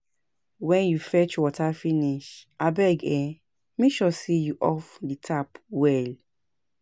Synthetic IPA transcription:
wɛ̃njufɛt͡ʃwɔtʰafiniʃʔabɛɡɛ | mĩʃɔsijuʔɔfditʰapwɛl

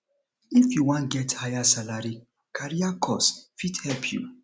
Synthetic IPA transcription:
ifjuwãnɡɛthajasalaɹi | kʰaɹiakʰɔsfidhɛlpʰjṵ

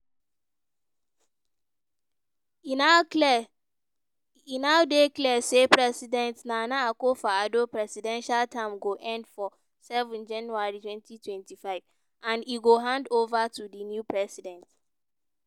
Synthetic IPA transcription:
inaʊdeklɛsepʰɹɛsidɛ̃ntnãnãakofaadopʰɹɛsidɛ̃nʃaltʰãmɡoʔɛ̃ndfɔ | sɛvɛ̃nd͡ʒãnjuaɹitʰwɛ̃ntʰitʰwɛ̃ntʰifaɪv | ãniɡoɦãndovatʰudinjupʰɹɛsidɛ̃nt

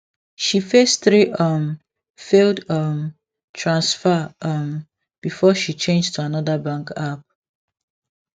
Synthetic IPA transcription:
ʃifesθɹiʔʌm | feldʌm | tʰɹãnsfəʌm | b̥ifɔʃit͡ʃẽnd͡ʒtʰuanɔðabãŋkap̚

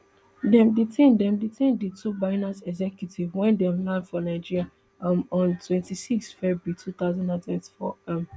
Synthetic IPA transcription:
dɛ̃mditʰẽndɛ̃mditʰẽnditʰubaɪnasɛɡzɛkʰjutʰivwɛ̃ndɛ̃mlãndfɔnaɪd͡ʒiɹia | mɔ̃ntʰwɛ̃ntisiksfɛbɹitʰuθaʊzãndãntʰwɛ̃nti̥fɔ̰m

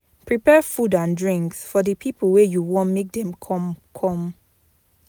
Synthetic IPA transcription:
pʰɹipɛfudãndɹĩŋksfɔdəpʰiplwejuwɔ̃nmek̚dɛ̃mkʰɔ̃mkʰɔ̃m

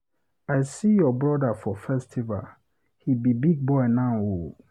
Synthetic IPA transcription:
aɪsijɔbɹɔdafɔfɛstʰiva̰l | hibibiɡ̚bɔɪnão

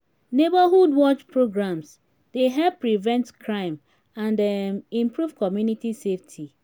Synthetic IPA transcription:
nebaɦudwɔt͡ʃpɹoɡɹãms | d̥eɦɛlpːɹivɛ̃ntkʰɹãɪ̃m | ãndɛmĩmpɹuvkɔmjunitiseftʰi

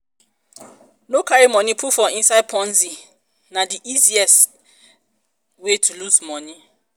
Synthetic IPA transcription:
nokʰaɹimɔ̃nĩpʰufɔĩnsaɪd̚pʰɔ̃nzi | nãdiʔiziɛs | wetʰuluzmɔ̃nĩ

